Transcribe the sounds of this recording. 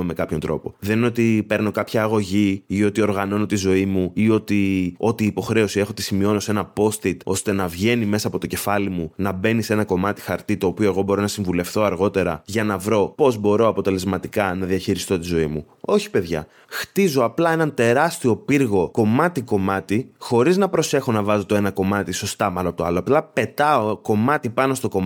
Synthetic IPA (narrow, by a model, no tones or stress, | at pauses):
mekɐpço̞nt̪ɾo̞̰po̞ðe̞nineo̞t̪ipe̞ɾno̞kɐpçɐːɣo̞ʝiio̞t̪io̞ɾɣɐno̞no̞t̪izo̞imuio̞t̪io̞t̪iːpo̞xɾe̞osie̞xot̪isimio̞no̞se̞nɐpo̞st̪it̪o̞st̪e̞nɐvʝe̞nime̞sɐːpo̞t̪oce̞fɐlimunɐbe̞nise̞nɐko̞mɐt̪i̥xɐɾt̪it̪o̞ːpio̞e̞ɣo̞bo̞ɾonɐsiɱvule̞fθo̞ɐɾɣo̞t̪e̞ɾɐʝɐnɐvɾo̞po̞zbo̞ɾo̞ɐpo̞t̪e̞le̞zmɐt̪ikɐnɐðiɐçiɾist̪o̞t̪izo̞imu | o̞çi̥pe̞ðʝɐ̰ | xt̪izo̞ɐplɐe̞nɐnt̪e̞ɾɐst̪io̞piɾɣo̞ko̞mɐt̪iko̞mɐt̪ixo̞ɾiznɐpɾo̞se̞xo̞nɐvɐzo̞t̪oe̞nɐko̞mɐt̪iso̞st̪ɐmɐnoɐpot̪ɐloɐplɐpe̞t̪ɐoko̞mɐt̪ipɐno̞st̪o̞ko̞